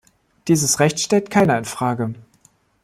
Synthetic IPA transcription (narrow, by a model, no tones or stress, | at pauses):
d̥iːzəsʁɛçtʃtɛltkʰaɪnɐɪnfʁ̥aːɡə